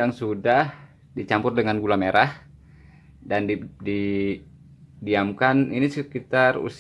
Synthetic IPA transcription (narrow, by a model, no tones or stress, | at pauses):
aŋsudah | dit͡ʃampʊrdəŋanɡulameɾah | dandidi | diamkaninisəkit̪arṵs